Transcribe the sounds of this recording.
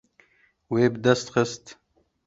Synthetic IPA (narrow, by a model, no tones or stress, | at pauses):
weːbəd̪ɛst̪xəst̪